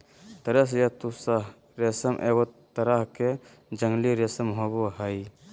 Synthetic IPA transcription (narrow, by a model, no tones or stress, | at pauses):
t̪ɐɾəs̬jat̪usa | ɾesəmʔeɡɔt̪ɐɾaɦke | d͡ʒəŋliɾesəmɦoboɦəj